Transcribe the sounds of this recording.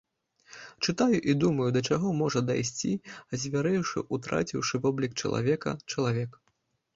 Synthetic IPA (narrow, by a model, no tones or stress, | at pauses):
t͡ʂɨt̪ajuʔid̪umɐjud̪ɐt͡ʂaɣɔmɔʐɐd̪a̰jsʲt͡sʲiɐzʲvʲaɾɛwʂɨ̰ʔut̪ɾa̰t͡sʲiwʂɨvɔblʲik̚t͡ʂɐ̰lˠa̰vʲɛkɐ̰t͡ʂɐlˠavʲɛk